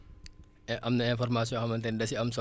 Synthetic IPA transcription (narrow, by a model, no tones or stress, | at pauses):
ʔɐmnɐɛnfɔrmas̬ijɔ̃hɐmɐntɛndɐsiɐmsɔ